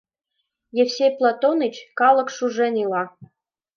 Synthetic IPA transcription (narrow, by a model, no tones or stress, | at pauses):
jefsʲejplˠɑt̪onət͡ɕkɑlˠɤ̆kʃuʒĕnʲilɑ